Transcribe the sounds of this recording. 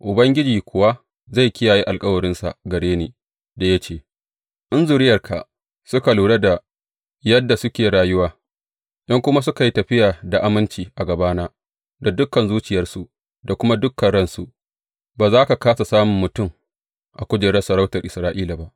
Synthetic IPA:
ʔʊ˨bɐ˦ŋɡʲɪ˦d͡ʒiː˨kʷʰʊ˨wa˦ | za˦˨jkʲɪ˦jaː˨ji˦ʔa˨lkʼɐ˦wɐ˨ɽɪ˦nsa̰˨ɡɐ˨ɽeː˦neː˨ | da˨ja˦t͡ʃeː˨ | ʔɪ˦nzu˨ɾɪ˦jɐ˨rkʰa̰˨ | sʊ˦ka˨luː˨ɽɐ˦da˨ | jɐ˦dːa˨sʊ˦kʲeː˨ɾaː˦jʊ˦waː˦ | ʔɪ˦ŋkʷʊ˦ma˦s̬ʊ˦ka˨ji˦tɐ˨ɸɪ˦jaː˨da˨ʔa˦mɪ˦nt͡ʃiː˨ʔa˨ɡɐ˨baː˦naː˦ | da˨dʊ˦kːɐ˨nzuː˦t͡ʃɪ˨jɐ˦rsu˨ʔ | da˨kʷʊ˦ma˦dʊ˦kːɐ˨nɽɐ˦nsu˨ | baː˨zaː˦ka˨kaː˦sa˨saː˦mʊ˨mːʊ˨tʊ˦˨m | ʔa˨kʷʊ˦d͡ʒɪ˨ɽɐ˦sɐ˨ɾa˦wtɐ˨rʔɪ˨sɾaː˦ʔiː˦la˨ba˦ʔ

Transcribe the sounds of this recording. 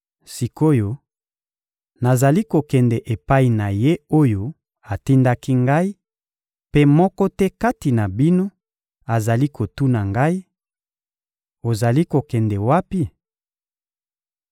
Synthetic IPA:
si˨ko˦jo˦ | na˨za˨li˦ko˨kɛ˨ndɛ˨ʔe˨pa˦i˨na˨je˦o˦jo˦ | a˨ti˦nda˦ki˦ŋɡa˦i˦ | pe˦mɔ˦kɔ˦tɛ˦ka˦ti˨na˨bi˦no˦ | a˨za˨li˦kʰo˨tu˦na˨ŋɡa˦i˦ | o˨za˨li˦ko˨kɛ˨ndɛ˨wa˦pi˦

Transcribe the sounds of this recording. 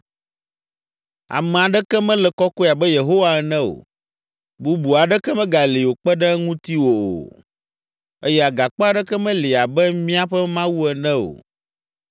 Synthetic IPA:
a̰˨mɛ̃˨a˨ɖɛ˦kɛ˦mɛ̃˦lɛ˨kɔ˦ko˦˨a˨bɛ˦je˨ɦo˦wa˦ɛ˦nɛ̃˦o̰˨ | bu˦bu˨a˨ɖɛ˦kɛ˦mɛ̃˦ɡa˨li˨wo˨k͡pɛ˦ɖɛ˦ŋũ˦t̪i˦wo˨o̰˨ | ə˦jɛ˦a˨ɡa˨k͡pɔ˦a˨ɖɛ˦kɛ˦mɛ̃˦li˨a˨bɛ˦mĩ˦a˦ɸɛ˦mã˦wu˦ɛ˨nɛ̃˦o̰˨

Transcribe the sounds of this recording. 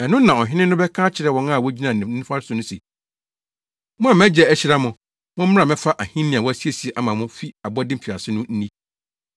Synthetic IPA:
ɛ˨nʊ̃˦nã˨ɔ˨ɦɪ˦nɪ̃˦nʊ̃˦bɛ˦kʰãː˦t͡ɕʰɪ˨ɾɛ˦wɔ̃˨˦nã˦˨wɔ˦d͡ʑi˦nã˨n˨˦nĩ˦fa˦ɾɪ˦sʊ˨nʊ̃˦se˨ | mʊ̃˦ã˨m˦æ̃˦d͡ʑɛ˨æ˦ɕi˦ɾa˦mʊ̃˨ | mʊ̃˦m̩ː˦ã˨mɛ̃˦fa˦ʔa˨hĩ˦nĩ˨ã˨wɔ˦æ˦si˦e˨si˨ɛ˨ʔa˦mã˨mʊ̃˦fi˦a˨bɔ˦dɪ̃˦m̩˨fi˨a˨sɪ˦nʊ̃˦n̩˦nĩ˦

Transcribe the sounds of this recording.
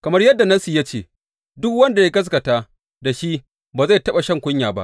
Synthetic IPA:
kɐ˨mɐ˦rjɐ˦dːa˨nɐ˦si˦˨ja˦t͡ʃeː˨ | dʊ˦kwɐ˦nda˨ja˦ɡɐ˦s̬kɐ˨taː˦ | da˨ʃi˦ | baː˨za˦˨tɐ˦ɓa˨ʃɐ˦ŋkʷʊ˦ɲjaː˨ba̰˦ʔ

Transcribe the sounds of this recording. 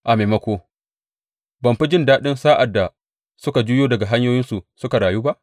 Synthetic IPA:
ʔa˨meː˨mɐ˦kʷoː˦ | bɐ˨mɸɪ˦d͡ʒɪ˦ndaː˦ɗɪ˦nsaː˦ʔa˨dːa˨ | sʊ˦ka˨d͡ʒuː˦joː˦dɐ˨ɡa˨ɦa˦ɲjoː˦jɪ˦nsu˨sʊ˦ka˨ɽaː˨juː˦ba˦ʔ

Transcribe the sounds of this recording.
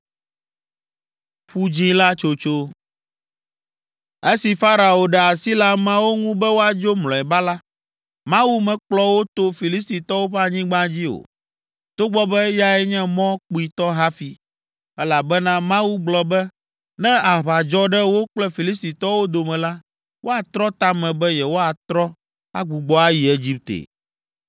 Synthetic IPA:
ɸu˦d͡ʑĩ˦la˦t͡ʃo˦t͡ʃo˦ | e˦si˨fa˦ɾa˨o˨ɖɛ˨a˨si˦la˦mã˦wo˦ŋũ˦bɛ˦wo˦a˨d͡ʒo˦mlɔ̃˨ɛ˨ba˦la˦ | mã˦wu˦mɛ̃˨k͡plɔ˦wo˦t̪o˦fi˨li˦st̪i˨t̪ɔ˦wo˦ɸɛ˦a˨ɲĩ˦ɡ͡bã˦d͡ʑi˦o̰˨ | t̪o˦ɡ͡bɔ˦bɛ˦ja˨ɛ˦ɲɛ̃˦mɔ̃˦k͡pu˨i˨t̪ɔ˦ɦa˦fi˨ | ɛ˦la˨bɛ˦nã˦mã˦wu˦ɡ͡blɔ˨bɛ˦ | nɛ̃˦a˨βa˨d͡ʒɔ˦ɖɛ˦wo˦k͡plɛ˦fi˨li˦st̪i˨t̪ɔ˦wo˦d̪o˨mɛ̃˨la˦ | wʔo˦a˨t̪ɾɔ˦t̪a˦mɛ̃˨bɛ˦jɛ˨wo˦a˨t̪ɾɔ˦ | a̰˦ɡ͡bu˨ɡ͡bɔ˦a˦ji˨e˦d͡ʑi˦p̚t̪ḛ˨

